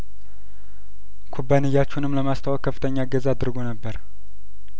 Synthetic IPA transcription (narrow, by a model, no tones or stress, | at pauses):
kʰubːanɨjːat͡ʃːunɨmləmast̪ʰəwakʰːəfːɨ̥t̪ʰəɲːaɡəzaad̪ɨɾɡo̞nəbːəɾ